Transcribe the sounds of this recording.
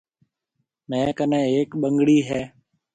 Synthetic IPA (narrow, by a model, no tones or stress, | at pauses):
nẽːkənẽːeːkɓəŋɡɽiːɦɛː